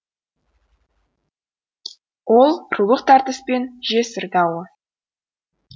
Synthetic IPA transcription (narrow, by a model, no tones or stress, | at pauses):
wʔo̞lˠɾulˠəqt̪ʰɑɾt̪əspe̞nʒe̞sɪɾd̪ɑwə